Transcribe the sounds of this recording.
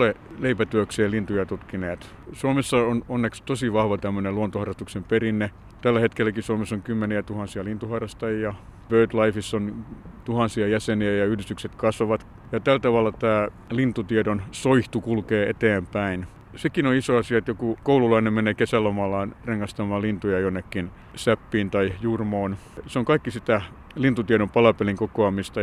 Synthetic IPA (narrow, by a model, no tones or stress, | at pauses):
oleleipæt̪yøkseːlint̪ujɑt̪ut̪kineːt̪ | suomesːɑononːekst̪osiʋɑhʋɑt̪æmːøneluont̪ohɑrːɑst̪uksemperinːe | t̪ælːæhet̪kelːˑækisuomesoŋkymːeniæt̪uhɑnsiɑlint̪uhɑrːˑɑst̪ɑjijɑʋøːt̪lɑifisːont̪uhɑnsiɑjæseniæjɑyhlist̪ykset̪kɑsʋɑʋɑt̪ | jɑt̪ælt̪ɑʋɑlːˑɑt̪æː | lint̪ut̪iedonsoiht̪ukulkeːʔet̪eːmpæin | sekinoisoɑsiɑet̪jokukoululɑinemmeneːkesælːomɑlːɑːnreŋːɑst̪ɑmɑːlint̪ujɑjonːekːin | sæpːiːnt̪ɑijurmoːn | seoŋkɑikːisit̪æ | lint̪ut̪ieɾompɑlɑpeliŋkokoɑmist̪ɑ